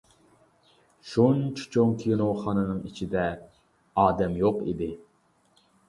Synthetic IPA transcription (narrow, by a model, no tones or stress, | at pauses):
ʃunt͡ʃʰi̥t͡ʃʰoŋkʲʰijnowχɑːnɨnɨŋit͡ʃʰid̪ɛ | ɑːd̪ɛmjoqḭd̪ɪ